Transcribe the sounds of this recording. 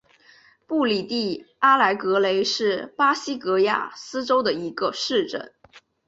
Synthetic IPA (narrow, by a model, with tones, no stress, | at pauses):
pu˥˩li˨˩t̪i˥˩ | a˥la˧˥ɪkɤ˧˥le˧˥ɪʂɻ̩˥˩pa˥ɕi˥kɤ˧˥ja̰˥˩sɹ̩˥ʈ͡ʂo˥ʊd̪ə˨i˧˥ɡə˧ʂɻ̩˥˧ʈ͡ʂə̰˥˩n